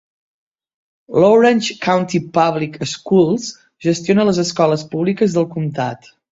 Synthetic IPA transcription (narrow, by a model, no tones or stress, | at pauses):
loɾənt͡ʃkawnt̪ipaβlikəskulˠz | ʒəst̪ionələzəskɔləspuβlikəzðəlˠkumt̪a̰t̪